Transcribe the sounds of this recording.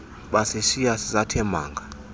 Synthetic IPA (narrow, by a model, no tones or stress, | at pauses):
ɓasiʃijasizatʰɛmaːŋɡʱa